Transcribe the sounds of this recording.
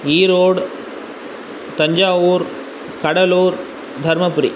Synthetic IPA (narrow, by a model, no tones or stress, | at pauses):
iːɾoːɽ | t̪ɐɲd͡ʒaːʋuːɾ | kɐɽɐluːɾ | d̪ʱɐɾmɐpʊɾḭ